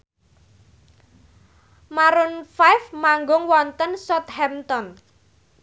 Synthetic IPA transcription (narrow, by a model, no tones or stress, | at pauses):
maɾʊnfajfmaŋɡʊŋwɔnt̪ənsɔt̪̚hɛmt̪ɔn